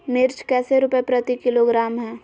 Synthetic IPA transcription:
nɪɾt͡ʃkɛːseɾʊpepɾət̪ikɪloɡɾaːmɦɛ̃ː

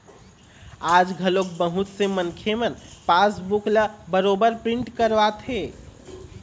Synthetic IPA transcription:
ad͡ʒɡʱəlok̚bəɦut̪semənkʰemənpasbukləbəɾobəɾpɾiɳʈkəɾʋat̪ʰɦe

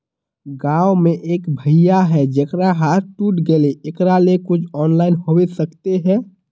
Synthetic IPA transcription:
ɡaːomẽʔeːkbʱəɪjaɦɛd͡ʒəkɾaɦaːɾʈuːʈɡeleekɾalekʊt͡ʃʰɔːnlaːɪnɦowesəkt̪eɦɛ̃ː

